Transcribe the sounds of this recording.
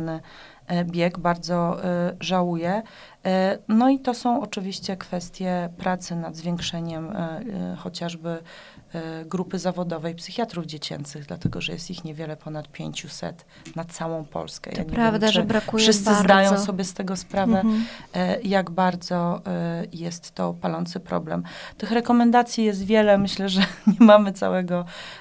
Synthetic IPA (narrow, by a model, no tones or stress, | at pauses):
nɘ | bʲjɛɡbaɾd̪zɔʐawujɛ | nɔit̪ɔsɔ̃w̃ɔt͡ʂɘvʲiɕt͡ɕɛkfɛst̪ʲjɛpɾat̪sɘnad̪zvʲjɛŋkʂɛɲɛm | xɔt͡ɕaʐbɘ | ɡɾupɘzavɔd̪ɔvɛjpsɘxʲjat̪ɾuvd͡ʑet͡ɕɛ̰nt̪sɘɣd̪la̰t̪ɛɡɔʐɛjɛ̰st̪ixɲɛvʲjɛlɛpɔnat̪̚pʲjḛɲt͡ɕusɛ̰t̪ | nat̪sawɔ̃w̃pʰɔ̰lskɛ̰ja̰ɲɛɾavd̪ʐbɾakufʂɘsɘzd̪ajɔ̃w̃ssɔbʲjɛst̪ɛɡɔspɾavɛ | jaɡbaɾd̪zɔ | jɛst̪ːɔpalɔnt̪sɘpɾɔ̰blɛ̰mt̪ɘxɾɛkɔmɛnd̪at̪sʲjijɛst̪vʲjɛlɛmɘɕlɛʐɛɲɛmamɘt̪sa̰wɛɡɔ